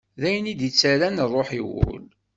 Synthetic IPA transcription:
ðæjənid̪jət͡sːæɾænrˤːoħiwʊ̰l

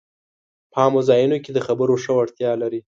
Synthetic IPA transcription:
pɑmozɑjənoked̪əxabəɾoʂəwaɽt̪jɑlaɾi

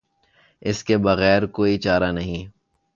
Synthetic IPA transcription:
ɪskebɐɣɛːɾkoːit͡ʃaːɾanɐɦĩ

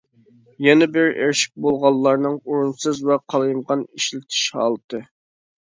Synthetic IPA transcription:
jɛnɛbɪɾḛɾʃi̥k̚ʲbolˠʁɑlˠːɑɾnɨŋoɾunsɨzwɛqʰɑlˠɨjmʁɑniʃlɪk̚ʲt̪ʰi̥ʃhɑ̰ːlˠɨt̪ʰɨ

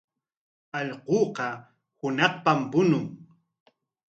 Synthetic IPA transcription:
ɑʎqoːqɑ | hʊnɑχpampʊnʊŋ

